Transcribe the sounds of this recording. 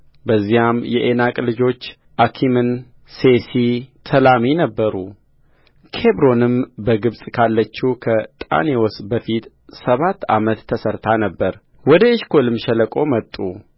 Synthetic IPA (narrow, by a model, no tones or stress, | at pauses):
bəzːijamjɛʔenakʼlɨd͡ʒo̞t͡ʃː | ʔakʰimɨn | sesit̪ʰəlaminəbːəɾu | kʰebɾo̞nɨmbəɡɨβsʼkʰalːət͡ʃːukʰət̪ʼa̰newosbəfit̪ | səβat̪ːa̰mət̪ʰːəsəɾt̪ʰanəbːəɾ | wɔd̪əɪʃkʰo̞lɨmʃɛləkʼo̞mət̪ʼːu